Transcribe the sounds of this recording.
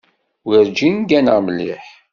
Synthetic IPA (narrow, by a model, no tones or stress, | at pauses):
wəɾd͡ʒinɡænəʁməlːḭħ